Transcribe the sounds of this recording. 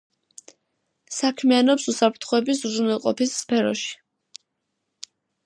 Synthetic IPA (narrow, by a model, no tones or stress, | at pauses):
sakʰmianɔpsusapʰɾt̪ʰχɔɛbis̬zzunɛlˠqʼɔ̰pisːpʰɛɾɔ̰ʃi̥